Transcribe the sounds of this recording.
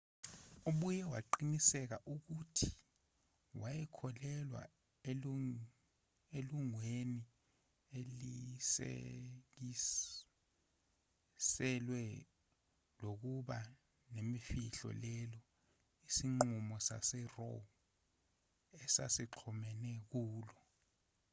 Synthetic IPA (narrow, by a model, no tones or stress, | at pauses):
uɓujɛwa̰ǃinisɛk̬aʔuk̬utʰi̥ | wajɛkʰɔlɛlwa̰ | eluŋweni | elisḛk̬i | sɛlwɛ | lok̬uɓa | nemifiɬɔ̰lɛlɔ | isiŋ͡ǃumɔsa̰sɛrɔ | ɛsa̰siǃʰɔmɛnɛk̬uːlɔ